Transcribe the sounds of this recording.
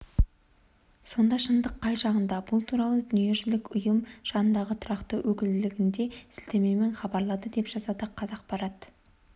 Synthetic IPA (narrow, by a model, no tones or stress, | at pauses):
so̞nd̪ɑʃənd̪əqʰːɑjʒɑʁənd̪ɑbʊlˠt̪ʰuɾɑlˠəd̪ʏnije̞ʒɪlɪkʊjəmʒ̥ɑnənd̪ɑʁət̪ʰʊɾɑqt̪əwɵkʲɪld̪ɪlɪɡʲɪnd̪e̞sɪ̥lt̪eme̞me̞ɴχɑbɑɾlˠɑd̪əd̪e̞pʒ̥ɑzɑd̪əqʰːɑzɑq̚bɑɾɑt̪